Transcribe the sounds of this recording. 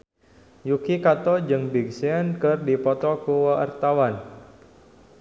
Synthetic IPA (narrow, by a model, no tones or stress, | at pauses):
jukikat̪ɔd͡ʒɨŋbiɡ̚siənkɨrdipɔt̪ɔkuwaa̰rt̪awan